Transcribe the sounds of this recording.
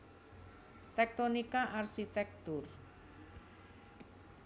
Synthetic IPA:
t̪ɛk̚t̪ɔnikaʔarsit̪ɛk̚t̪ʊr

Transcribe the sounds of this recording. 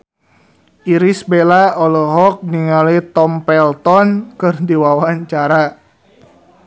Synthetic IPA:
ʔiɾisbelaɔlɔɦɔk̚niŋalit̪ɔmpɛlt̪ɔnkɨrdiwawaɲt͡ʃaɾa

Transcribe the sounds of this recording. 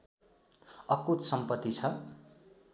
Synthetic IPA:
ʌkut̪sʌmpʌt̪ːit͡sʰʌ

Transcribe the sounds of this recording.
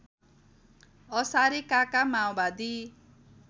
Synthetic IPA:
ʌsaɾekakamawbad̪i

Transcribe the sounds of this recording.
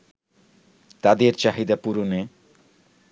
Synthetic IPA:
t̪ad̪eɾt͡ɕaɦid̪apuɾone

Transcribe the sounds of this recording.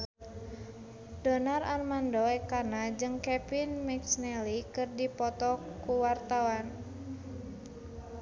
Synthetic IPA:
dɔnararmandɔɛkanad͡ʒɨŋkɛpinmɛksnɛlikɨrdipɔt̪ɔkuwart̪awan

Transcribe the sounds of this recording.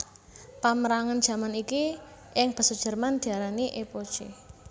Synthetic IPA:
paməɾaŋan̥ʒ̥ä̤maniki | ʔɪŋb̥ə̤sudʒ̥ə̤rmand̪̥i̤aɾaniʔepod̥ʒ̥e

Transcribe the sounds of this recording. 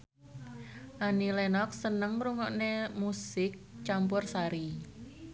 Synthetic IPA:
ʔanilenɔk̚sənəŋmɾuŋɔʔnemusɪk̚t͡ʃampʊrsaɾi

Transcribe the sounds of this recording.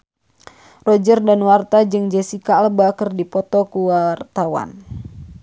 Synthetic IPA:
rɔd͡ʒərdanwart̪ad͡ʒɨŋd͡ʒɛsikalbakərdipɔt̪ɔkuwart̪awa̰n

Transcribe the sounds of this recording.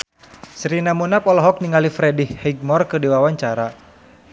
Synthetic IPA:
sɾinamunapɔlɔɦɔk̚niŋalifɾɛdihhɛɡ̚mɔrkɨdiwawaɲt͡ʃaɾa

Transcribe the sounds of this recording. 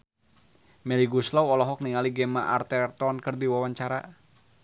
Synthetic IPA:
mɛliɡuslɔwɔlɔɦɔk̚niŋaliɡɛmaʔart̪ɛrt̪ɔnkɨrdiwawaɲt͡ʃaɾa

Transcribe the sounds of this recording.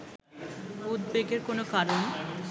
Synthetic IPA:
ud̪beɡeɾkonokaɾon

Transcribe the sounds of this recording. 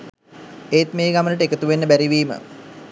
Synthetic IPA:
ejt̪meːɡamənəʈəekət̪uʋenːəbæɾiʋiːmə̰

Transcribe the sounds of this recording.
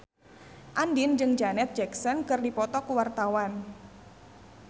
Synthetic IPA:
ʔandind͡ʒɨŋd͡ʒanɛt̪̚d͡ʒɛksɔnkɨrdipɔt̪ɔkuwart̪awan

